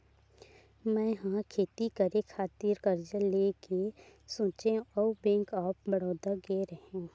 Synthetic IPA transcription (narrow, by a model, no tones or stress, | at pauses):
mɛ̃ːɦãkʰeːt̪ikəɾekʰaːt̪iɾkɐɾd͡ʒəleːkesõːt͡ʃẽɔːbẽːŋkaːp̚bɐɽɔːd̪əɾɡeːɾəɦẽũ